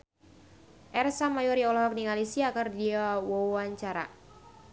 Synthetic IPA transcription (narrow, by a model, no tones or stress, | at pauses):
ʔɛrsamajɔɾiɔlɔɦɔk̚niŋalisiakardiawɔwaɲt͡ʃaɾa̰